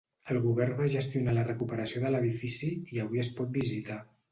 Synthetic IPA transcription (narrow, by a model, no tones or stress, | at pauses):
əlˠɣuβ̞ɛrnβaʒəst̪iunalərəkupəɾəsioðələðifisiiəβiəspɔt̪̚bizit̪a